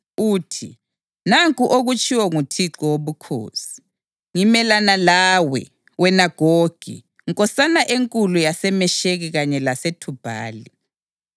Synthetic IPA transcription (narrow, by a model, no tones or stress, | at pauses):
uːtʰḭ | naŋkʼuʔoɣut͡ʃʼiwɔŋutʰiǁɔwoβukʰo̰ːsi̥ | ŋimɛlanalaːwɛ̰ | wɛnaɡ̥ʱoɡ̥ʱḭ | ŋkʼɔsanaʔeŋkʼulujasɛmɛʃeɣiɣaɲɛlasetʰub̥ʱa̰ːli